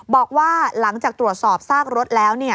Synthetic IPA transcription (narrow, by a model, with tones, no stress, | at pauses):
bɔː˨˩k̚waː˥˩la˩˦ŋt͡ɕaː˨˩k̚t̪ɾu˨˩ət̪̚sɔː˨˩p̚saː˥˩k̚ɾo˦˥t̪̚lɛː˦˥wni˥˩ɐ